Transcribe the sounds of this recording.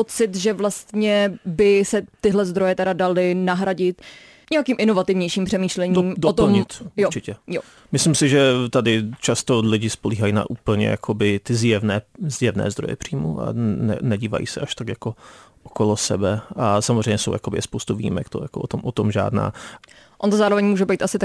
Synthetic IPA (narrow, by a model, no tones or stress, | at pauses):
pot͡sɪt̪ʒɛvlast̪ɲɛbɪsɛt̪ɪɦlɛzd̪ɾo̞jɛt̪ɛɾadalɪnaɦɾaɟɪt̪ | ɲɛakiːmʔɪno̞vat̪ɪvɲɛjʃiːmpr̥ɛmiːʃlɛɲimdot̪ol̩mɲɪt̪joɾt͡ʃɪcɛjo | mɪslɪmsɪʒɛt̪adɪt͡ʃast̪olɪɟɪspoliːɦajina̰ʔuːpl̩ɲɛ̰jakʰobɪt̪ɪzjɛvnɛːzjɛvnɛ̰ːzd̪ɾojɛ̰pr̥iːmṵʔa̰nɛ̰nɛɟiːva̰jḭsɛʔaʃt̪akjakoʔokolosɛbɛasamozrɛjɲɛsowja̰kobɪ̰ɛspowst̪uvḭːḭmɛ̰kt̪o̰jakoʔot̪omʔot̪omʒa̰ːdna̰ː | ʔont̪ozaːɾovɛɲmuːʒɛbɛjt̪ʔasɪt̪a